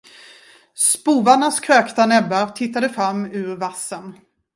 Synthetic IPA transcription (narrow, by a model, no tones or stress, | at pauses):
spuːvaɳaskʰɾøːkt̪anɛbːaɾt̪ʰɪt̪ːad̪əfɾamːʉ̟ːɾvasːən